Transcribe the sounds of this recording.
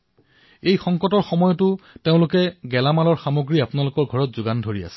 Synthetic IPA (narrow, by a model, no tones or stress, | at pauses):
ejxɔŋkɔtɔɹxɔmɔjɔtʊteʊ̃lʊkɛɡɛlamalɔɹxamoɡɹiapʊnalʊkɔɹɡʱɔɹɔt̚zʊɡandʱoɹia̰sɛ̥